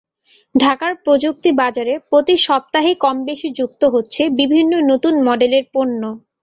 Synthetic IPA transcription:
ɖʱakaɾpɾod͡ʑuk̚t̪ibad͡ʑaɾepɾot̪iʃɔp̚t̪aɦikɔmbeʃid͡ʑuk̚t̪oɦotːɕʰebibʱinːonot̪unmɔɖeleɾponːo

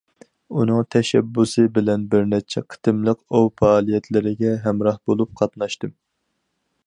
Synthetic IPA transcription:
unɨŋt̪ʰɛʃɛ̰bːusɨbɪlɛnbɪɾnɛt͡ʃʰɛqʰə̥t̪ɨmlˠəqowfɑːlˠijɛt̪ʰlɪɾɪɡʲɛɦɛmɾɑhbolˠup̚qʰɑt̪nɑʃt̪ɨm

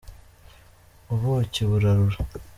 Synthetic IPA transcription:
uβoceβuɾaɾuɾa

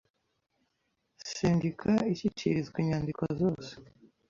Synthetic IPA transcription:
siːɲɡikʰaicit͡ʃḭɾizɡiɲaːndikʰozo̞ːse̥

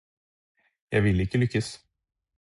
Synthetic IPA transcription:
jɑ̰ːɡvɪlːɪkːəlʏkːas

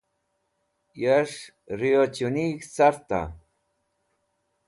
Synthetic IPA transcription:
jaʂ | ɾiot͡ʃuniːkt͡saɾt̪a̰

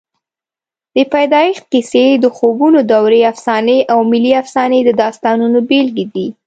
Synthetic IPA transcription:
d̪̥əpajd̪ɑixqised̪əxobunod̪awɾeafsɑneʔawmɪliafsɑned̪əd̪ɑst̪ɑnunobelɡid̪i

